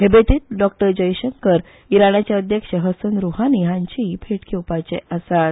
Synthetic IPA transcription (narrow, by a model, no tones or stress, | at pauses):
ɦebet̪iːt̪̚ɖɔk̚ʈəɾd͡ʑəjɕəŋkəɾ | iɾaɳat͡ɕjaəd̪jəkɕəɦəsənɾuɦaniɦãɲt͡ɕibʰʱeʈkʰewpat͡ɕeʔasat̪